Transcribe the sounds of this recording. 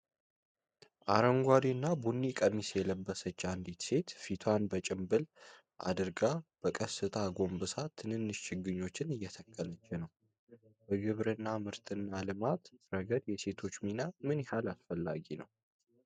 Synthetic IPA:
ʔaɾəŋɡʷad̪inːabunːikʼəmisjɛləbːəsət͡ʃːand̪it̪se̞t̪fit̪ʰanbət͡ʃʼɪmbɨl | ʔa̰d̪ɨɾɡab̥əkʼəsɨt̪ʰaɡo̞mbɨsat̪ʰːɨnɨnːɨʃt͡ʃɪɡɨɲːo̞t͡ʃːɪnɨjːɛt̪ʰəkʼːələt͡ʃːɛnəw | bəɡɨβɾɨnːamɨɾt̪ʰɨnːalɨmat̪ɾəɡəd̪jɛse̞t̪ʰo̞t͡ʃːminamɨnjɛhalasfəlːa̰ɡinəw

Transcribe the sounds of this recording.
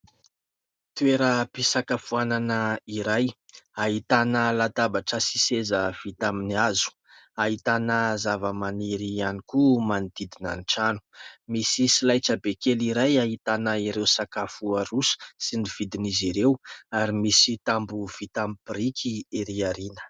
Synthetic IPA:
t̪ueɾəpisakafuananəiɾajaɦit̪anəlat̪abaʈ͡ʂəsisezəv̥it̪aminiazu̥ | aɦit̪anəzavəmaniɾianikumand̪id̪ina̰nʈ͡ʂanu̥misisilajʈ͡ʂəbekeliɾajaɦit̪anəiɾewsakafuarusə̥siniv̥id̪iniziɾewaɾimisit̪ambuv̥it̪ampirikʰieɾiaɾinə̥

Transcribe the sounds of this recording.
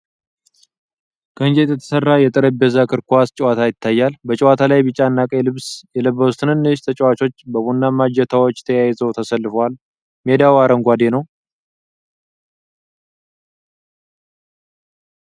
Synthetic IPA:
kʰəɨnd͡ʒet̪jɛt̪ʰə̥sərːajɛt̪ʼɨɾəbɛzakʰɨɾkast͡ʃʼɛwat̪ʰajɪt̪ʰːajːalbət͡ʃʼɛwat̪ʰalajbɨt͡ʃʼanːakʼəjɛlɨβsjɛlɨβːəwust̪ʰɨnɨnːɨʃt̪ʰət͡ʃʼɛwat͡ʃo̞t͡ʃːbəβunːamad͡ʒɛt̪ʰawot͡ʃːt̪ʰəjajzəwt̪ʰəsəlːɨfəwal | med̪awaɾəŋɡʷad̪enəw

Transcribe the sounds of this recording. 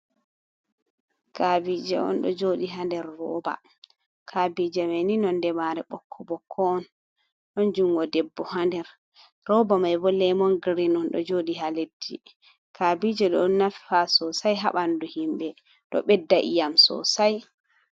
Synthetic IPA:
kabid͡ʒɛɔ̰nɗɔ̰d͡ʒoɗiɦandɛɾːɔba̰ | kʰabid͡ʒɛmaninɔndɛmaɾɛɓɔkʰːɔbɔkʰːɔɔn | ɗɔnd͡ʒuŋɡɔdɛbːɔɦandɛɾ | ɾɔbamajbɔlɛmɔnɡɾinɔnɗɔ̰d͡ʒoɗiɦaledːi | kʰabid͡ʒɛɗɔnːafasɔsajɦa̰ɓanduhimɓɛ | ɗɔ̰ɓɛdːaʔḭjamsɔ̰saj

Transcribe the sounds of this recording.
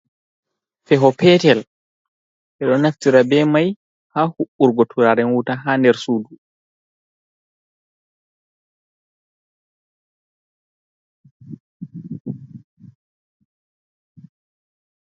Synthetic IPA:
fɛɦɔpɛːtɛl | ʔɛɗɔnaftiɾabɛːmaj | haːhuɓːuɾɡɔtʰuɾaɾɛnwutaɦaːndɛɾsuːdu

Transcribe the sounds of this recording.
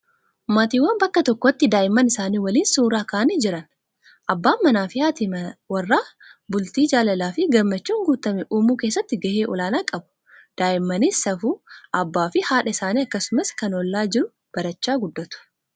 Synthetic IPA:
maːt̪iːwːɐnbɐkːɐt̪ɔkːɔt̪ːɪd̪aːʔɪmːɐnɪsaːniːwɐliːnsuːɾaːkaːʔɐniːd͡ʒɪɾɐn | ʔɐbːaːmɐnaːfɪaːt̪ɪwɐrːaːbʊlt̪iːd͡ʒaːlɐlaːfɪɡɐmɐt͡ʃːuːŋɡuːt̪ɐmɛʔuːmuːkeːsːɐt̪ːɪɡɐheːʔɔlaːnaːkʼɐbʊ̥ | d̪̥aːʔɪmːɐniːsɐfuːʔɐbːaːfɪhaːᶑɐɪsaːniːɐkːɐsʊmɐskɐnɔlːaːd͡ʒɪɾʊ | b̥ɐɾɐt͡ʃːaːɡʊd̪ːɐt̪ʊ̥

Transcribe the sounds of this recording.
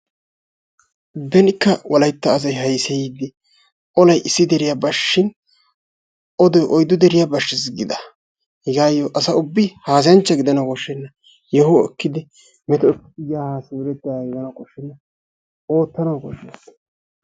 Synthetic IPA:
bɛnɪkːɐwʔɐlɐjt̪ːɐːs̬ɐjɦɐjsɛjiːd̪ɪ | ʔɔlɐjʔɪsːɪd̪ɛɾɪjabɐʃːɪn | ʔɔd̪ɔjʔɔjd̪ːʊd̪ɛɾɪjabɐʃːɪs̬ɡɪd̪ɐ | hɪɡaːjːɔʔɐsɐʊbːɪhaːsɪjɐnt͡ʃːɐɡɪd̪ɐnɐkɔʃːɛnːɐ | jɛɦoɛkːɪd̪ɪ | mɛt̪ɔɛkɪjaːhaːsɛʊɾɛt̪ːaɡɛɡɐnɐkɔʃːɛnːɐ | o̞ːt̪ːɐnɐwkɔʃːɛ̥

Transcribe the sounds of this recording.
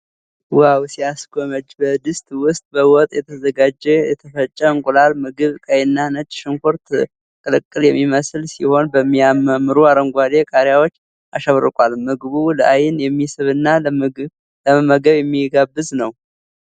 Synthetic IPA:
wawsijaskʰoməd͡ʒbəd̪ɨst̪ʼwʊst̪ʼbəwɔt̪ʼjɛt̪ʰəzəɡad͡ʒɛjɛt̪ʰəfət͡ʃʼːəɨŋkʼulalmɨɡɨβkʼəjɪnːanət͡ʃʼːʃɨŋkʰoɾt̪ | kʼɨlɨkʼːɨljɛmːiməsɨlsiho̞nbəmːiaməmːɨɾuaɾəŋɡʷad̪ekʰʼaɾjawo̞t͡ʃː | a̰ʃəβɾɨkʼalmɨɡβuləʔajɪnjɛmːisɨβɨnːa | ləməməɡəβjɛmːiɡabːɨznəw

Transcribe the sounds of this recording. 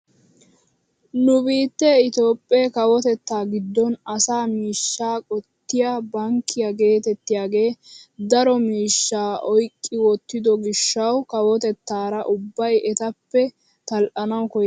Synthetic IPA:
nʊbiːt̪ːɛɪt̪o̞ːpʼːeːkɐwɔt̪ɛt̪ːaːɡɪd̪ːɔnɐsaːmiːʃːaːkʼɔt̪ːɪjabɐŋkʰːɪjɐɡe̞ːt̪ɛt̪ːɪjaːɡe̞ːd̪ɐɾɔmiːʃːaːʔɔjkʼːɪwɔt̪ːɪd̪ɔɡɪʃːɐwkɐwɔt̪ɛt̪ːaːɾɐʔʊbːɐjʔɛt̪ɐpːɛ | t̪ɐlʔɐnɐwkɔj

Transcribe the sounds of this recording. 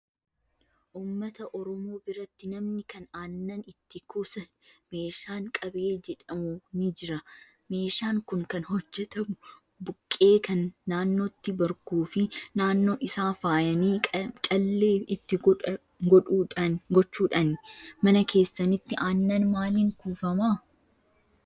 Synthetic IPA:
ʔuːmːɐt̪ɐʔɔɾɔmo̞ːbɪɾɐt̪ːɪnɐmnɪkɐnaːnːɐnɪt̪ːɪkuːsɐnme̞ːʃaːŋkʼɐbe̞ːd͡ʒɛᶑɐmʊnɪd͡ʒɪɾɐ | me̞ːʃaːŋkʊŋkɐnhɔd͡ʒːɛt̪ɐ | bʊkʼːe̞ːkɐnːaːnːo̞ːt̪ːɪbɐɾkuːfɪnaːnːo̞ːʔɪsaːfaːjɐniːt͡ʃʼɐlːe̞ːɪt̪ːɪ | ɡɔᶑuːɐɡɔt͡ʃːuːᶑɐnmɐnɐkʰe̞ːsːɐnɪt̪ːɪʔaːnːɐnmaːniŋkuːfɐmaː

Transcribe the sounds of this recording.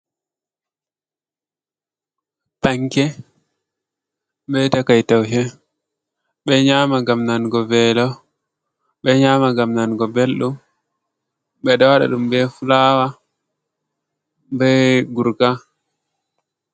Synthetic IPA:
taŋkɛ | bɛtakajtawɦɛ | ɓɛɲamaɡamnanɡɔvɛːlɔ | ɓɛɲaːmaɡamnanɡɔbelɗum | ɓɛdɔwaɗa̰ɗumbɛfulaːwa | bɛɡuɾka

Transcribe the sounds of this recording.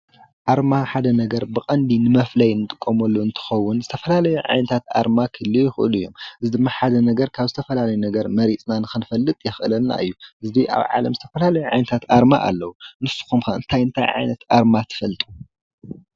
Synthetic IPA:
ʔaɾmaħad̪ɐnɐɡɐɾbɨkʼɐnd̪inɨmɐflɐjnɨt̪ʼɨkʼːomɐlːuɨnt̪ʰɨ̥xɐwːʊnzɨt̪ʰɐfɐlalɐjuʕa̰jnɐt̪ʰat̪ʔa̰ɾmakʰɨlːɨjɪxɨʔɨ̰luɨjːo̞̰mʔɨzid̪ɨmːaħad̪ɐnɐɡɐɾkʰaβzɨt̪ʰɐfɐlalɐjunɐɡɐɾmɐɾit͡sʼnanɨxɨnfɐlːɨt̪ʼjɪxʔɨlɐnːa̰ɨ̰jːuʔɨzd̪iʔa̰βʕa̰lɐ̰mzɨt̪ʰɐfɐlalɐjuʕa̰jnɐt̪ʰat̪ʔaɾma̰ʔa̰lːɐwunɨsu̥xumkɐɨ̰nt̪ʰajɨnt̪ʰa̰jʕa̰jnɐt̪ʔaɾmat̪ʰɨ̥fɐlt̪ʼu̥

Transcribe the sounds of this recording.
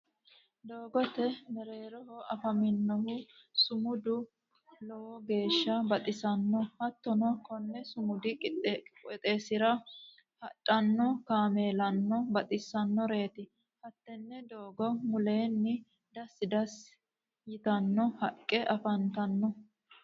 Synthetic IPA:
d̪oːɡɔt̪ɛmɛɾe̞ːɾɔhɔɐfɐmɪnːɔhʊsʊmʊd̪ʊ | lɔwɔɡe̞ːʃːɐbɐt̪ʼɪsɐnːɔhɐt̪ːɔnɔkɔnːɛsʊmʊd̪ɪkʼɪt̪ːɛt̪ʼeːsɪɾɐ | hɐtʼːɐnːɔkaːmeːlɐnːɔbɐt̪ʼɪsːɐnːɔɾe̞ːt̪ɪ | hɐt̪ːɛnːɛd̪oːɡɔmʊle̞ːnːɪ | d̪ɐsːɪd̪ɐs | jɪt̪ɐnːɔhɐkʼːɛʔɐfɐnt̪ɐnːɔ

